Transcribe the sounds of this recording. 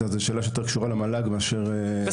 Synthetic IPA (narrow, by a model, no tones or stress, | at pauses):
azeʃeːlaʃejote̞ʁkʃuʁalemalaɡmeaʃeʁe